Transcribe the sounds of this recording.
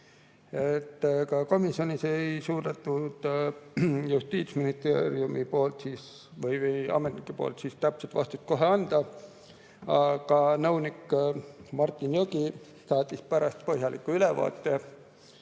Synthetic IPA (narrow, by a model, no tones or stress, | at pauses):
et̪ːkɑko̞misjo̞nise̞jsuːd̪̥ɑt̪ːud̪̥ | just̪iːt̪sminist̪ḛɾiumipo̞ːlt̪siːs | vɤjvejɑ̰met̪nikːˑupo̰ːlt̪siːst̪æpset̪vɑst̪ut̪̚ko̞ɦeɑnd̪̥ɑ | ɑɡ̥ɑnɤwnikː | mɑrt̪ːˑinjoɡi | sɑːt̪ːˑispæɾɑst̪̚po̞ɦjɑlikːˑuylevɑ̰ːt̪ːe